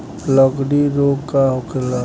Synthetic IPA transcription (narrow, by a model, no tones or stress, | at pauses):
ləɡɽiɾokaɦokela